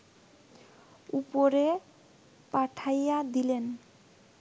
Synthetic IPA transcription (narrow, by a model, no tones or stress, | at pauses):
upoɾe | paʈʰajad̪ilen